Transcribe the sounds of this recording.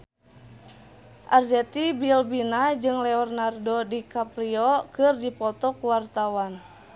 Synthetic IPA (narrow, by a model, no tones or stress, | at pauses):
ʔarzɛt̪ibilbinad͡ʒɨŋlɛɔrnardɔdikapɾiɔkɨrdipɔt̪ɔkuwart̪awan